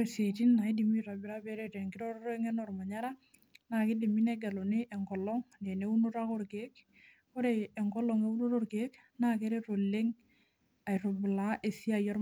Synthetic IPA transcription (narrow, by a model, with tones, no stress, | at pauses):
ese˨ti˦nːa˨i˦di˨mi˦ɾa˨bɪ˨ɾa˦bɛ˦ɾe˦tɛ˨ŋki˦ɾɔ˦ɾɾo˦ŋɛ˦nɔ˨ɾma˨ɲa˦ɾa˦ | na˨kɪ˦di˨mi˦nɛ˦ɡɛ˨lo˨ni˦ʔɛ˨ŋkɔ˨lɔ˦ŋde˨ne˦u˦nu˦ɾa˦ko˦ɾke˦k | ko˦ɾe˨ɛ˨ŋkɔ˦lɔ˨ŋe˦u˦nu˦ɾo˦ɾke˦k | na˦ke˦ɾe˦ɾo˨le˦ŋ | a˨jɾo˨bɪ˨la˨˦ʔe˨si˦a˦˨jɔ˦ɾ